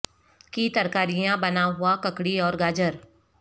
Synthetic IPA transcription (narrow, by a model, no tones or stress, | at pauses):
kit̪ɐɾkaːɾijãbɐnaɦʊakɐkɽiɔːɾɡaːd͡ʒəɾ